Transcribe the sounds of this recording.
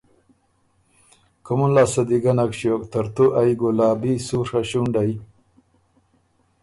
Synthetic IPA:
kumunlaːsɐd̪iɡɐnɐkɕijoːk̚t̪ɐɾt̪uʔajɡolaːbisuɾaɕuɳɖaj

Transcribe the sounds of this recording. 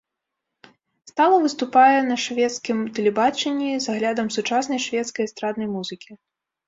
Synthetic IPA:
st̪alˠɐvɨst̪upajɛnɐʂvʲɛt̪skʲimt̪ɛlʲɛbat͡ʂɛnʲːizaɣlʲad̪ɐmsut͡ʂasnɐjʂvʲɛt̪skɐjst̪ɾad̪nɐjmuzɨkʲi

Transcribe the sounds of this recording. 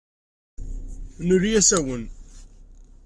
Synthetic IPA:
nʊɾjæsæwən

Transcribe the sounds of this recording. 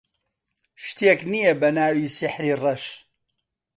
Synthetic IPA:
ʃt̪eːknijebɐnaːwiːsɪħɾiːrɐʃ

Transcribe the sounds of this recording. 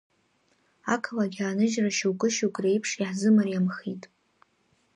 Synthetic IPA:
akʰalaɡʲaːnɨʒraʃuwkʼɨʃuwɡʼre̞jpʰʂiħzɨmariamχitʼ

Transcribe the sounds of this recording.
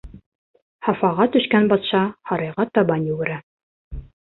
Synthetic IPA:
hɑfɑʁɑt̪ɵ̆ʃkænbɑt̪ʃɑhɑɾɑjʁɑt̪ɑbɑnjɵɡɘ̆ɾæ

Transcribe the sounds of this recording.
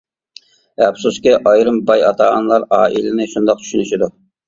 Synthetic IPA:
ɛpsuskʲɪʔɑjɾɨmbɑjɑt̪ʰɑːʁɑnlˠɑɾɑːʔilɪnɪʃund̪ɑq̚t̪ʰy̥ʃynyʃid̪u

